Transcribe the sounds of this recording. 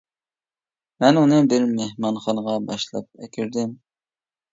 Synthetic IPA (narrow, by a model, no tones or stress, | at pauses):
mɛnunɨbɪɾmehmɑnχɑnəʁɑbɑʃlˠɑ̰p̚ɛkʲʰyɾd̪ɪm